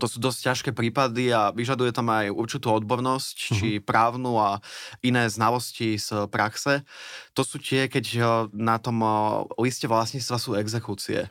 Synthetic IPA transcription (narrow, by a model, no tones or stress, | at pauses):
t̪ɔsuːd̪ɔsccaʃkɛːpɾiːpad̪iaʋiʒad̪ujɛt̪amajuɾt͡ʃit̪uːɔd̪̚bɔɾnɔsct͡ʃipɾaːʊnuːainɛːznalɔscispɾʔaksɛt̪ɔsuːc̪ɪɛkɛcnat̪ɔmliscɛʋlasɲiːt͡st̪ʋasuːɛɡzɛkut͡siɛ̰